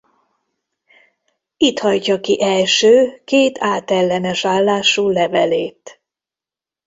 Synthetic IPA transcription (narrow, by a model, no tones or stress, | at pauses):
it̪hɒjcɒkiʔɛlʃøːkeːt̪aːt̪ɛlːɛnɛʃaːlːaːʃulɛvɛleːt̪